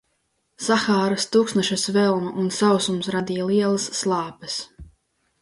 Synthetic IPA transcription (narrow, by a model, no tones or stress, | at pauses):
saxaːɾɨst̪uːksnaʃɐsvɛlˠmuʔunsawsumsɾad̪iːjalˠiɛlˠasːlˠɑːpɐs